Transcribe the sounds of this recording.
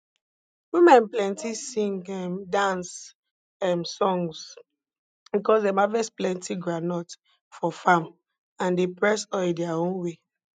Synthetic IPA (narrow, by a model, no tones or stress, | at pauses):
wimɛ̃nplɛ̃ntisĩŋɛmdãns | ɛmsɔ̃ŋs | bikɔsdɛmavɛsplɛ̃ntiɡɹanɔt | fɔfãm | ãndepɹɛsɔdɛaõnwe